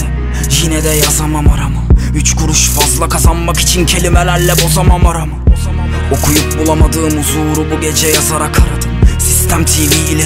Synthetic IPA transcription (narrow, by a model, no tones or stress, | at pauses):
ʒinɛd̪ɛjazamamaɾamɯ | yt͡ʃkʰuɾuʃfazlˠakʰazanmaki̥t͡ʃʰincʰe̞lʲimɛlʲæɾlʲɛbo̞zamamaɾamɯ | o̞kʰujup̚bulˠamad̪ɯːɯmuzoːɾubuɟet͡ʃʰɛjazaɾakʰaɾad̪ɯmsist̪ʰæmt̪ʰiːviːlʲɛ